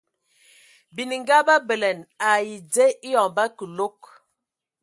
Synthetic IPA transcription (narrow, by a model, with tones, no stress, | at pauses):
bi˨ni˨ŋ˦ɡa˦ba˦bə˨lɛ˨na˨ji˨d͡ze˦i˦jɔ˨ŋba˦kə˨lo˦k̚